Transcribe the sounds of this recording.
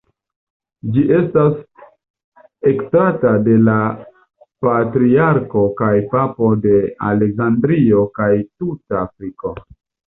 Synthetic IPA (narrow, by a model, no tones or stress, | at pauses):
d͡ʒiʔe̞stas | e̞ktatade̞la | patɾiaɾko̞kajpapo̞de̞a̰le̞kzandɾio̞kajtutaːfɾiko̞